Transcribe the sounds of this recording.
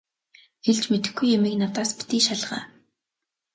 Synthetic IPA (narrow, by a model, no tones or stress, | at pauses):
xeɮt͡ɕmet̪ɘ̆xɡujemiːknat̪aːspi̥t̪iːʃaɮʁa̰ː